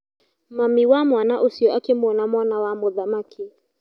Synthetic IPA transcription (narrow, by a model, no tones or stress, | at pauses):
mamiwamwanaʔusiɔʔakɛmwɔnamwanawamɔðamakʰi